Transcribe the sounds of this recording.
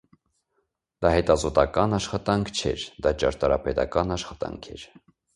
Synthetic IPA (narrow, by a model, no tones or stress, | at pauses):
d̪̥ɑhɛt̪ɑzɔt̪ɑkɑnɑʃχɑt̪ɑŋkʰt͡ʃʰɛ̰ɾd̪ɑt͡ʃɑɾt̪ɑɾɑpɛt̪ɑkɑnɑʃχɑt̪ɑ̰ŋkʰɛɾ